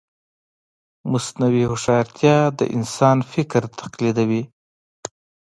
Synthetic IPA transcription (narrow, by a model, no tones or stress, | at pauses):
mʊsnawihʊʂɑɾt̪ʰjɑd̪ə̰ʔɪ̰nsɑnfɪkɾt̪ʰḁqlid̪awi